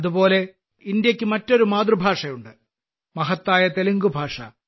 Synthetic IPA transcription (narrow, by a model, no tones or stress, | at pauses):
ɐðupo̞ːle̞ | ind̪jɐkʲːɨmɐtːo̞ɾumaːd̪rɨbʱaːʂɐjuɳɖɨ | mɐɦɐt̪ːaːjɐt̪eliŋɡubʱaːʂɐ̰